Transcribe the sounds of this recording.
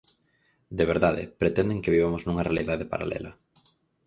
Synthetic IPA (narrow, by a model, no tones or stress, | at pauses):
d̪eβ̞eɾðaðḛpɾet̪ɛnd̪eŋkeβiβamoznũŋɐrealiðaðepa̰ɾa̰lʔɛ̰lɐ